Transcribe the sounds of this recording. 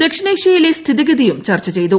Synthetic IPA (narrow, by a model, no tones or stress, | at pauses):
d̪e̞kʂɐnɐiʂɐjilest̪ʰiðiɣɐðijumt͡ɕɐrt͡ɕːɐt͡ɕe̞jt̪u